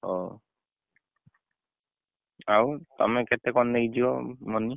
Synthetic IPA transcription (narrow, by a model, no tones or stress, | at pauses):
ɔ | ata̰mɛkɛtɛkɔnːɛɡid͡ʒiɔmɔnːi